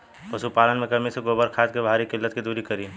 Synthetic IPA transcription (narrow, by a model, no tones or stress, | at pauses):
pɐsupaːlənmẽkɐmiseɡoːbəɾkʰaːt̪̚kebʱaːɾikɪlːət̪kid̪uːɾikɐɾiː